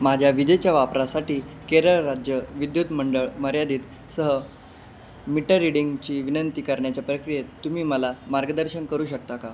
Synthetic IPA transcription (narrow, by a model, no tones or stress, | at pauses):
mad͡ʑʱjaʋid͡ʑəjt͡ɕjaʋapɾasaʈiːkeɾəɾad͡ʑjəʋid̪jut̪məɳɖəɭməɾjad̪iːt̪ | səɦə | miʈəɾːiɽiŋɡt͡ɕiːʋinənt̪iːkəɾɳjat͡ɕjapɾəkɾijet̪ːumiːməlamaɾɡəd̪əɾɕənkəɾuːɕək̚t̪aka